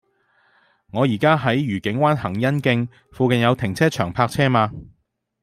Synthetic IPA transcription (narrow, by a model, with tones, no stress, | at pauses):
ŋɔː˨˧jiː˨˩kaː˥ɦɐ˨˥jɥyː˨˩kɪ˨˥ŋwaː˥nhɐ˨˩ŋjɐ˥nkɪ˧ŋ | fuː˧kɐ˨njɐ˨˧wt̪ʰɪ˨˩ŋt͡sʰɛː˥t͡ʃʰœː˨˩ŋpʰaː˧˥k̚t͡sʰɛː˥maː˧